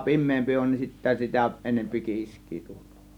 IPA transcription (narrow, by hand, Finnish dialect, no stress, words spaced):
pimˑeːmpi on nin sitːæ sitæ enempi kiːskˑi̥ː tu̥l̥ːo̥ː